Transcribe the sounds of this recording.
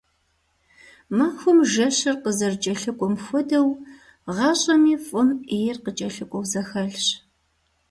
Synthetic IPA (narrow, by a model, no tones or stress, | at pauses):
mɐːxʷʊmʒɐɕɨrqəzɐrt͡ʃʼɐɬɨkʷʼɔmxʷɔdɐw | ʁɑːɕʼɐmiːfʼʊmejɪrqət͡ʃʼɐɬɨkʷʼɔwzɐxɐɮɕ